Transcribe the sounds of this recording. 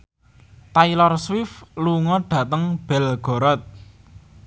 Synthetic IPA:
t̪ailɔrswɪfluŋɔɖ̥ä̤t̪əŋb̥ɛ̤lɡ̥ɔ̤ɾɔt̪̚

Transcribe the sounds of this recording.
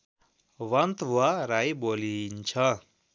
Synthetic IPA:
wʌnt̪waɾajbolint͡ʃʰʌ

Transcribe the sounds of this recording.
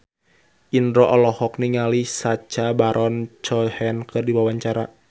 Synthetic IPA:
ʔindɾɔʔɔlɔhɔk̚niŋalisat͡ʃabaɾʔɔnt͡ʃɔhɛnkɨrdiwawaɲt͡ʃaɾa

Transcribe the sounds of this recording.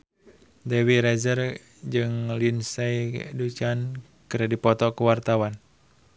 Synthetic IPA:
dɛwiɾɛzər | d͡ʒɨŋlinsɛidut͡ʃan | kɨɾadipɔt̪ɔkuwart̪awan

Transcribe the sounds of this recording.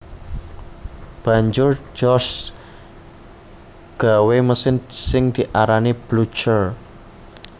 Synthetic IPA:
b̥ä̤ɲd͡ʒʊrd͡ʒɔs | ɡ̥a̤weməsɪnsɪŋd̪̥iʔaɾanib̥lut͡ʃər

